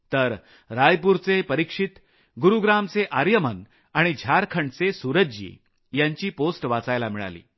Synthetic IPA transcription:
t̪əɾ | ɾajpuɾt͡sepəɾikʂit̪ | ɡuɾuɡɾamt͡seʔaɾjəmən | aɽ̃id͡ʑʱaɾkʰəɳt͡sesuɾəd͡ʑḭ | jaɲt͡ɕiːposʈʋat͡sajlamiɭa̰lḭː

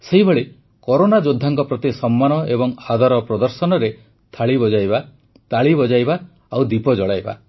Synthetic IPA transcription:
seɦibeɭe | kɔɾonad͡ʒod̪ʱːaŋkɔpɾɔt̪isɔmːanɔebɔŋhad̪ʱaɾɔpɾɔd̪ɔɾsɔnɔɾe | t̪ʰaɭibɔd͡ʒajba | t̪aɭibɔd͡ʒajba | awd̪ipɔd͡ʒɔɭajba̰

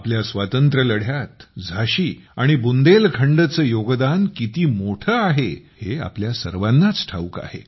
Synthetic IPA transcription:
apljasʋat̪ənt̪ɾələɽ̤jat̪d͡zʱaɕiːaɽ̃ibund̪elkʰəɳɖət͡səːjoɡd̪ankit̪iːmoʈʰəaɦehea̰pljasə̰ɾʋanːat͡sʈʰa̰uka̰hḛ

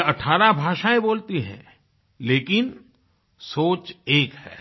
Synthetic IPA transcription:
ɐʈʰaːɾabʱaːʃaːẽboːlt̪iɦɛ̰̃ | leːkɪn | soːt͡ʃeːkhɛ̰ː

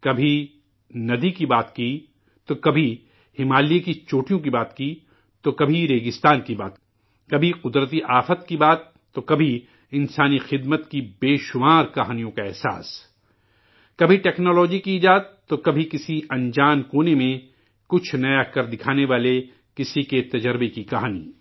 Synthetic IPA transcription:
kɐbʱi | nɐd̪ikibaːt̪ki | t̪okɐbʱi | hɪmaːlijekit͡ʃoːʈijõk̬ibaːt̪ki | t̪okɐbʱiɾeːɡɪst̪aːnkiba̰ːt̪ | kɐbʱiqʊd̪ɾət̪̬iʔaːfət̪kibaːt̪ːokɐbʱi | ɪ̃nsaːnixɪd̪mət̪kibeːʃʊmaːɾkɐɦaːnijõkaɛɦsa̰ːs | kɐbʱiʈɛːknɔːlɔːd͡ʒikiːd͡ʒaːd̪̚t̪okɐbʱikɪsiɐ̃nd͡ʒaːnkoːnemẽ | kʊt͡ʃʰnɐjakɐɾd̪ɪkʰaːneʋaːle | kɪsiket̪ɐd͡ʒəɾbekikɐɦaːnḭː

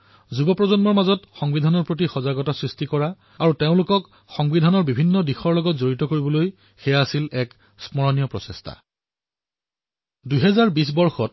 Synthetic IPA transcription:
zubɔpɹɔzɔnmɔɹmazɔtxɔŋbidʱanɔɹpɹot̬ixɔzaɡɔtasɹistikɔɹa | aɹuteʊ̃lʊkɔk | xɔŋbidʱanɔɹbibʱinːɔdixɔɹlɔɡɔtzoɹitɔkoɹibɔloj | xejaːsilɛk | smɔɹɔnijɔpɹɔsestʰa̰ | duɦɛzaɹbis̬bɔɹxɔt̚

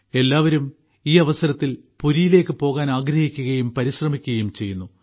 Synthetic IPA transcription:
e̞lːaːʋɐɾum | iːɐʋɐsɐɾɐt̪ːil | puɾijile̞ːkːɨpo̞ːɣaːnaːɡɾɐhikʲːuɣɐjumpɐɾiɕrɐmikʲːuɣɐjumt͡ɕe̞jːunːu

